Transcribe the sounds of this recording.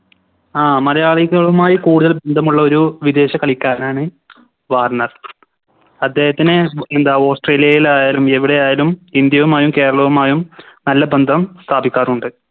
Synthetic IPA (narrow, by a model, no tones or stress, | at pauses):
aːmɐɾɐjaːɭiɣɐɭumaːjikuːɽuðɐlbe̞nd̪ʱɐmuɭːɐo̞ɾuʋid̪e̞ːɕɐkɐɭikʲːaːnaːɳɨ | ʋaːrnɐr | ɐd̪ːe̞ːhɐt̪ːinɨend̪aːo̞ːsʈre̞ːlijɐjilaːjaːlume̞ʋiɽe̞jaːjaːlumind̪jɐʋumaːjumke̞ːɾɐɭɐʋumaːjumnɐlːɐbend̪ʱɐmst̪ʰaːbikʲːaːruɳɖɨ